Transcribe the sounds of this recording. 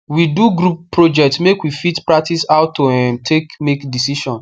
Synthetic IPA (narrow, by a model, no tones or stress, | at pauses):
widuɡɾuppːɾod͡ʒɛk̚tmekwifitpɹak̚tisaʊtːoɛ̃ntʰekmekdisiʃɔ̃n